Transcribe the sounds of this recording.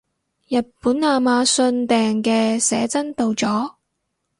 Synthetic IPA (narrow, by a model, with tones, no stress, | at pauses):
jɐ˨t̚puː˨˥naː˨˧maː˨˧sɵ˧nt̪ɛː˨ŋkɛː˧sɛː˨˥t͡sɐ˥nt̪o˧wt͡sɔː˨˥